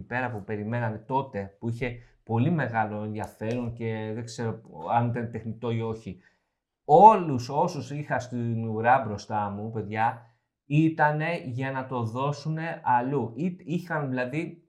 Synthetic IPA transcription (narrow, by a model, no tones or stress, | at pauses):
pe̞ɾɐpupe̞ɾime̞nɐne̞t̪o̞t̪e̞puiçe̞po̞lime̞ɣɐlo̞e̞nðʝɐfe̞ɾo̞ŋce̞ðe̞ɡze̞ɾo̞ɐnit̪ɐnet̪e̞xnit̪o̞io̞çi | o̞luso̞susixɐst̪iniuɾɐbɾo̞st̪ɐmupe̞ðʝɐ | it̪ɐne̞ʝɐnɐt̪o̞ðo̞sune̞ɐluiixɐnðilɐði